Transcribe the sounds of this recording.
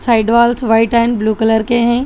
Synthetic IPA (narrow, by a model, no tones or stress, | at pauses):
saːɪɖʋaːlsʋaːɪʈɛ̃ːnbluːkələɾkeɦɛ̃ː